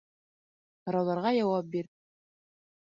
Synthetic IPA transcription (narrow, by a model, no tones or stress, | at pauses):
hɤ̆ɾɑwlˠɑɾʁɑjɑwɑp̚biɾ